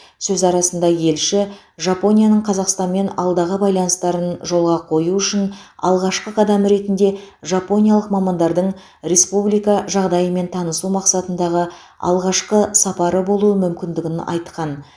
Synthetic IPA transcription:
sɵzɑɾɑsənd̪ɑje̞lʃɪ | ʒɑpo̞nʲijanəɴqʰɑzɑqst̪ɑnme̞nɑ̰lˠd̪ɑʁəbɑjlˠɑnəst̪ɑɾənʒo̞lˠʁɑqʰo̞juʏʃɪnɑ̰lˠʁɑʃqəqʰɑd̪æmɾe̞t̪ɪnd̪e̞ʒɑpo̞nʲijaɑlˠəqmɑmɑnd̪ɑɾd̪əɴ | ɾe̞spublijkɑʒɑʁd̪ɑjəme̞nt̪ʰɑnəsumɑqsɑt̪ənd̪ɑʁə | ɑ̰lˠʁɑʃqəsɑpɑɾəbo̞lˠuəmʏmkʲɪnd̪ɪɡʲɪnɑ̰jt̪qɑn

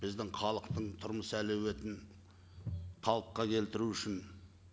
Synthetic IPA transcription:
b̥ɪzd̪ɪŋχɑlˠəqt̪əɴt̪ʰʊɾməsəælewe̞t̪ɪn | qʰɑlˠəqqːɑkʲʰe̞lt̪ɪɾuʏʃɪn

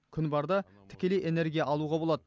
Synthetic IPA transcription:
kʲʰʏnbɑɾd̪ɑ | t̪ʰɪ̥kʲe̞le̞jʔe̞ne̞ɾɡʲijɑʔɑlˠuʁɑbolˠɑd̪ə

